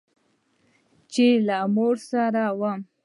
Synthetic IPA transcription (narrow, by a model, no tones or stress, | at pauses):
t͡ʃelamoɾsaɾawam